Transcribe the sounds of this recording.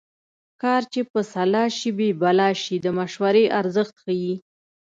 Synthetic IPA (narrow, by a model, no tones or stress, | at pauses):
kɑɾt͡ʃepəsalɑʃibebalɑʃid̪əmaʃwaɾeʔaɾzəxt̪xaji